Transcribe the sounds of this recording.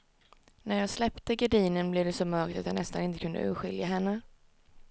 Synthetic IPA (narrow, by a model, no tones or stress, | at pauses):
næɾjɑːɡslɛpt̪əɡaɖiːnənblɪvd̪ɛsɔmœɾk̚t̪at̪hanɛst̪a̰nɪnt̪əkʰɵnd̪ə̰ʉ̟ːɧɪ̰ljaɦɛnːə